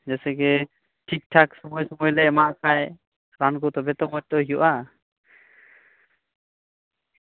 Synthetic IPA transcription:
d͡ʒɛsɛɡɛ | ʈʰik̚ʈʰaksɔmɔjsɔmɔjlɛʔmaʔkʰaj | ɾankɔt̪ɔbɛt̪ɔmɔt̚t̪ɔɦijuʔa

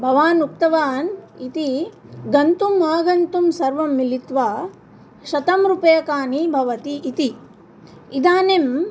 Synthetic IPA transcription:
bʱɐʋaːnuk̚t̪ɐʋaːnit̪iɡɐnt̪umːaːɡɐnt̪umsɐɾʋɐmːilit̪ʋaː | ʃɐt̪ɐmɾupɐjɐkaːnibʱɐʋɐt̪iʔːt̪i | id̪aːnem

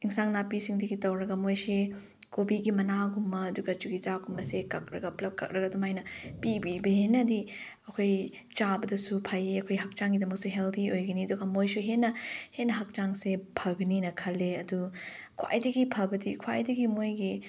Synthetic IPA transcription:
iŋsaŋnapisiŋdɐɡitɐwɾɐɡɐmojse | kobiɡimɐnaɡumːɐːduɡɐt͡ʃuɡit͡ʃaɡumːɐsekɐk̚ɾɐ̰ɡɐplɐp̚kɐ̰k̚ɾɐɡɐdumajnɐpibibɐɦenːɐdi | ɐkʰoj | t͡ʃabɐdɐsupʰajeɐkʰojɦɐk̚t͡ʃaŋɡidɐmɐk̚suɦeldiojɡɐniɐduɡɐmojsuɦenːɐhenːɐɦɐk̚t͡ʃaŋsepʰɐɡɐninɐkʰɐlːeɐdukʰwa̰jdɐɡipʰɐbɐdikʰwa̰jdɐɡimojɡi

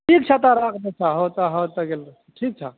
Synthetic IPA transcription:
ʈʰik̚t͡ʃʰat̪aɾakʰnet͡ʃʰaɦot̪aɦət̪əɡel | ʈʰiːk̚t͡ʃʰa

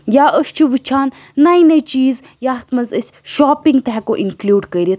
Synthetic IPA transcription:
jaʔəst͡ʃʰuʋɨt͡ʃʰaːnː | ɐjnɐjt͡ʃiːz | jaːt̪ʰmɐzəsʲʃaːpiŋɡ̚t̪ɐɦɛkoʔiŋklʲuːɖkɐiɾit̪ʰ

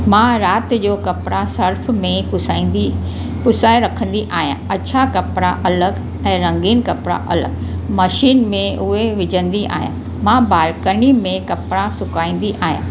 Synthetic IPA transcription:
mãːɾaːt̪d͡ʑoːkɐpɪɾasɐɾfmẽʊai | pʊsaːeɾɐkʰə̃n̆d̪iʔaːɦijã̰ɐt͡ɕʰakɐpɾaʔɐləɡ | ɛ̃ːɾɐ̃ŋɡiːnkɐpɾa̰ʔɐlə̰ɡmɐʃiːnmẽʔʊɦeʋɪd͡ʑʱə̃nd̪iʔa̰ːɦijãː | mãːbaːɾkəɽimẽkɐpɾasʊkaːĩːn̆d̪iʔaːɦjã̰ː

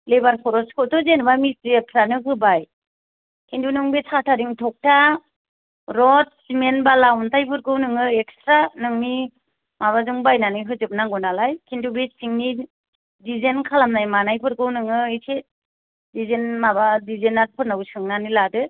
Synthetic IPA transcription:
lebaɾpʰɔɾɔskʰɔtɔzenbamisepʰɾanɯkɯbaj | kʰintunɯŋbetʰatʰaɾiŋtʰɔk̚ta | ɾɔt̚simenbalawntajpʰɯɾɡɯwnɯŋɯek̚stɾanɯŋni | maβazuŋbajnanɯɦɯzɯp̚naŋɡɔnalajkʰintubesiŋni | dizenkʰalamnajmanajpʰɯɾɡɯwnɯŋɯise | dizenmabadizenat̚pʰɯɾnawsɯŋnaniladɯ

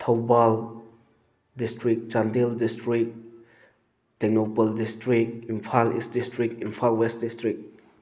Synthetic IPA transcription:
t̪ʰawbɔl | distɹik̚t͡ʃãndildistɹik̚ | d̥ɛnobəldistɹikinpʰalḭst̚distɹik̚infʰalwɛstdistɹik̚

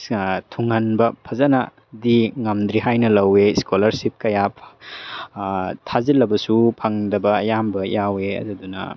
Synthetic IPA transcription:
tʰuŋɐnbɐpʰɐzɐnɐ̰ | diŋɐmd̪ɾiɦajnɐlɐweskolɐɾsip̚kɐjapʰ | tʰazilɐbɐsupʰɐŋdɐbɐːjambɐjaweɐ̰dɐdunɐ̰

